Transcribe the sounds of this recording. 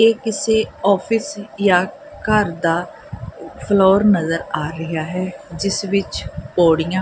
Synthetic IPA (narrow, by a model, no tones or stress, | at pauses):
eːkɪseːɔːpʰɪsjaː | kəɾd̪aː | pʰloːɾnəzəɾaːɾəɦaːɦɛːd͡ʒɪsʋɪt͡ʃpoːɽɪjãː